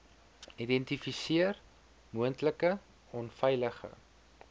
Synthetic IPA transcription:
idɛntifisiər | muəntləkə | ɔnfɛjləχə̰

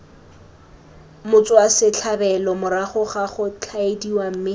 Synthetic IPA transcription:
mʊt͡sʼwasɪt͡ɬʰabɛlɔmʊɾaχʊχaχʊt͡ɬʰaediwam̩mɪ

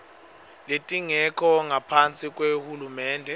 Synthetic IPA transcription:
letʼiŋɛkʰɔŋapʰant͡sʼikʼwehulumɛːndʱɛ

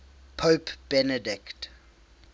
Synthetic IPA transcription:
pʰopb̥ɛnədɪkt

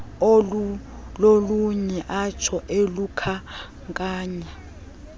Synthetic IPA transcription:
loluɲɛʔat͡ʃʰɔʔelukʰa | kʼaːɲɛ

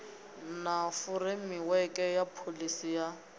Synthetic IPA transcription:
nafʊrɪmɪwɛkʼɛjapʰolisija

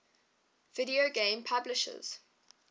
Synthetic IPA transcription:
vɪdioɡẽːmpʰablɪʃə̰z̥

